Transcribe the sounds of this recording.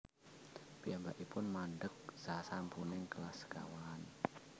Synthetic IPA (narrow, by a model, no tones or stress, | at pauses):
piambaʔipʊnmanɖək̚sasampunɪŋkəlaska̰waːn